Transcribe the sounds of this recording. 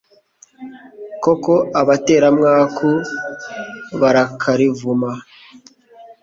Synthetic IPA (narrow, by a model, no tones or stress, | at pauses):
ko̞ko̞ʔaβate̞ːɾamŋaːkʰu | βaɾakʰaɾivuma